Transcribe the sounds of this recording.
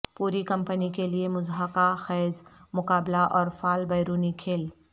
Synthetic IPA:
puːɾikɐ̃mpənikeliemʊzɦəkaxɛːzmʊkaːblaʔɔːɾfaːlbɐjɾuːnikʰeːl

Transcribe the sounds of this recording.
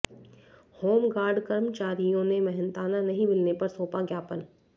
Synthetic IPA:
hoːmɡaːɾɖkəɾmt͡ʃaːɾijõnemɐɦɛ̃nt̪aːnanɐɦĩmɪlnepɐɾsoːpaɡjaːpən

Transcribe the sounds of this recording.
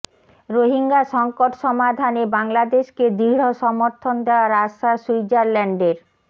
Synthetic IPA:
ɾoɦiŋɡaʃɔŋkoʈʃɔmad̪ʱanebaŋlad̪eʃked̪iɽ̤oʃɔmoɾt̪ʰond̪eoaɾaʃasijd͡ʑaɾlɛɳɖeɾ

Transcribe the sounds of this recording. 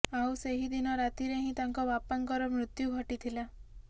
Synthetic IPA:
awseɦid̪inɔɾat̪iɾeɦĩt̪aŋkɔbapaŋkɔɾɔmɾut̪juɡʱɔʈit̪ʰila

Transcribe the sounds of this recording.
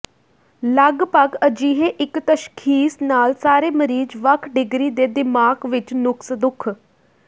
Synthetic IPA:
ləɡpəɡəd͡ʒiːɦeːʔɪkt̪əʃkʰiːsnaːlsaːɾeːməɾiːd͡ʒʋəkʰɖɪɡɾiːd̪eːd̪ɪmaːɡʋɪt͡ʃnʊksd̪ʊkʰ

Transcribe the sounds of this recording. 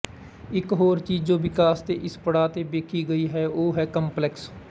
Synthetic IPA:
ɪkɦoːɾt͡ʃiːzd͡ʒoːʋɪkaːst̪eʔɪspəɽaːt̪ebeːkʰiɡəiɦɛːoːɦɛːkə̃mplɛks

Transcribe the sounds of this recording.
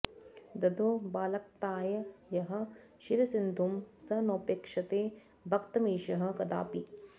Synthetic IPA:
d̪ɐd̪ʱoːbaːlɐk̚t̪aːjɐjɐɦɐ̆ | ʃiɾɐsɪnd̪ʱumsɐnoːpeːkʃɐt̪eː | bʱɐkt̪ɐmiːʃɐɦɐ̆kɐd̪a̰ːpi

